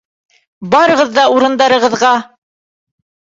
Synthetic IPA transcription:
bɑɾɤ̆ʁɤ̆ðːɑuɾɤ̆nd̪ɑɾɤ̆ʁɤ̆ðʁɑ

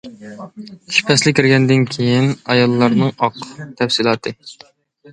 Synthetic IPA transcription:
ʃpʰɛslɪkʲʰːɪɾɡʲɛnd̪ɪnkʲʰejinɑjɑlˠːɑɾnɨŋɑqʰt̪ʰɛfsilˠɑːt̪ʰɨ

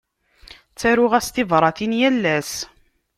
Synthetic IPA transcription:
t͡sːæɾʊʁæst̪ivɾˤɑθinjælːæs

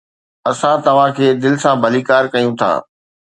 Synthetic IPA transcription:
ɐsãt̪ɐʋ̤ãkʰeːd̪ɪlɪsãbʱɐliːkaːɾkɐjũt̪ʰa̰ː

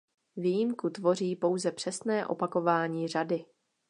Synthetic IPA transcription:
vijɪmkut̪vo̞riːpo̞wzɛpr̝̥ɛsnɛːʔo̞̰pako̞vaːɲiːradɪ

